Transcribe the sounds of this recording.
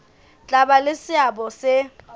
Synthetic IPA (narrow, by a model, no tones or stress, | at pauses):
t͡ɬʼabalɪsɪabɔsɪ